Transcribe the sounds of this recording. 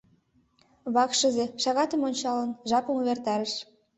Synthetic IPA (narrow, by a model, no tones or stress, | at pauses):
βɑkʃə̆zeʃɑɣɑt̪ə̆monʲt͡ɕɑlənʒɑpumuβert̪ɑɾəʃ